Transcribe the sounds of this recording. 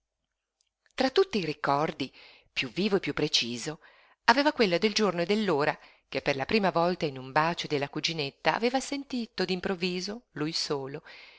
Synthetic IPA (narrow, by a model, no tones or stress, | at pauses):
t̪ɾat̪ːut̪ːiːɾikːɔrd̪i | pjuvːiːvoepːjupːɾet͡ʃiːzo | aveːvakwelːad̪eld͡ʒornoed̪elːoːɾa | kepːerlapɾiːmavɔlt̪ainumbaːt͡ʃod̪elːakud͡ʒinet̪ːa̰ːveːvasent̪iːt̪od̪impɾovːiːzolujsoːlo